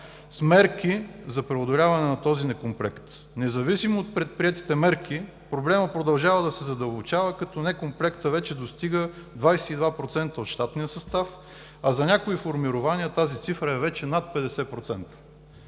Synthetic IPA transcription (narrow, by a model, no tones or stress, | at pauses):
smɛɾkizɐpɾɛod̪olʲavɐnɛnɐt̪ɔzinɛkomplɛkt̪ | nɛzɐvisimoːt̪̚pɾɛt̪̚pɾiɛt̪i̥t̪ɛmɛɾki | pɾoblɛməpɾod̪ɐlˠʒavəd̪ɐsɛzɐd̪əlˠbot͡ʃavəkɐt̪ɔnɛkomplɛkt̪əvɛt͡ʃɛd̪ost̪iɡəd̪vajsɛid̪vapɾot̪sɛnt̪əot̪ʃt̪at̪nijəsɐst̪af | ɐzɐnʲakoifoɾmiɾʊvaniət̪azit̪sifɾəɛvɛt͡ʃɛnat̪̚pɛd̪ɛsɛpɾot̪sɛnt̪ə̥